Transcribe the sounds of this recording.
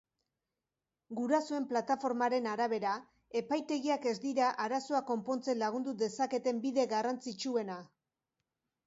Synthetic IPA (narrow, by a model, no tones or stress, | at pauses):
ɡuɾasue̞mplat̪afo̞ɾmaɾe̞naɾaβ̞e̞ɾa | e̞pajt̪e̞ɣiake̞zd̪iɾaʔaɾaso̞ako̞mpo̞nt͡se̞nlaɣ̞und̪uðe̞sake̞t̪e̞mbiðe̞ɣarant͡sit͡ʃue̞na